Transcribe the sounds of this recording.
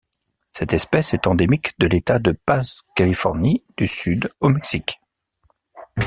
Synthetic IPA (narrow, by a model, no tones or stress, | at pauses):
sɛt̪ɛspɛsɛt̪ɑ̃d̪emikd̪əlet̪ad̪əpazkalifɔʁnid̪̥ysyd̪omɛksik